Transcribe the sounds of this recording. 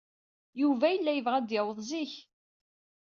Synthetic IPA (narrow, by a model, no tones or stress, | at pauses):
juvæjəlːæjəvʁæd̪jəwəðˤziç